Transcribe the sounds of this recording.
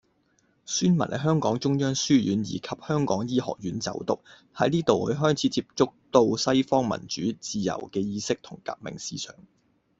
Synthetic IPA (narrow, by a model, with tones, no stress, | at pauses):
syː˥nmɐ˨˩nʔɛ˨˧ɦœː˥ŋkɔː˨˥ŋt͡sʊ˥ŋjœː˥ŋsyː˥jyː˨˥njḭː˨˩kʰɐ˨p̚hœː˥ŋkɔ̰ː˨˥ŋjiː˥hɔ̰ː˨˩k̚jyː˨˥nt͡sɐ̰˨˥wt̪ʊ˨k̚ | hɐ˨˥jniː˥t̪o˨whɵ˨˧˥ɦœː˥jt͡sʰiː˨˥t͡siː˧p̚t͡sʊ˥k̚t̪o˧wsɐ˥jfɔː˥ŋmɐ̰˨˩nt͡ʃy̰ː˨˥t͡siː˨˩jɐ̰˨˩wkɛː˧jiː˧sɪ˥k̚t̪ʰʊ˨˩ŋka̰ː˧˥k̚mɪ̰˨ŋsiː˥sœ̰ː˨˥ŋ